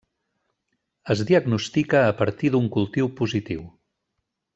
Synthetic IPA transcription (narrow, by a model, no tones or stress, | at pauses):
əzðiəɡnust̪ikəːpəɾt̪iðuŋkulˠt̪iwpuzit̪iw